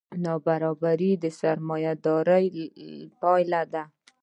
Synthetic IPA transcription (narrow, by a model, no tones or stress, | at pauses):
nɑbaɾɑbaɾid̪əsaɾmɑjad̪ɑɾəjpɑjlad̪a